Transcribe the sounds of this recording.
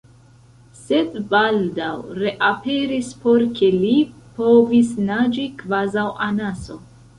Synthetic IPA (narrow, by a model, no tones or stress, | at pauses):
se̞dbaldawɾe̞ʔape̞ɾispo̞ɾke̞lipo̞visnad͡ʒikvazawʔanaso̞